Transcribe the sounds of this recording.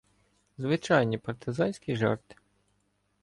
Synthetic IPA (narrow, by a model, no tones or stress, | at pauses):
zʋɪt͡ʃɑjnʲipɐrt̪ʰɪzɑnʲsʲkʲiʒɑ̰rt̪ɪ̥